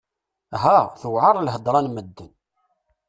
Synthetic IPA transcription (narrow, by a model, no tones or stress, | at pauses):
ɦæθəwʕɑɾˤlɦəd̪ˤɾˤɑnməd̪ːən